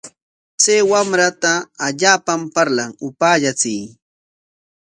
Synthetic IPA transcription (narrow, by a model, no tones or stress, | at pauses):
t͡sejwamɾat̪aːʎaːpampaɾlaŋʊpaːʎat͡sɪj